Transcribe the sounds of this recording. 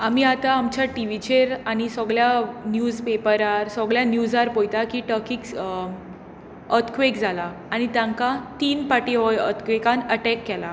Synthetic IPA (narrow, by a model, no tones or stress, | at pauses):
am̤iːat̪aamt͡ɕaʈiʋit͡ɕeɾañisɔɡɭjanjud͡zpepəɾaɾsɔɡɭjanjud͡zaɾpojt̪akiːʈəkiːks | ət̪kʋekd͡zʱalaːɽ̃it̪jãŋkat̪iːnpaʈiɦɔjə̰t̪kʋekãnəʈɛkːɛla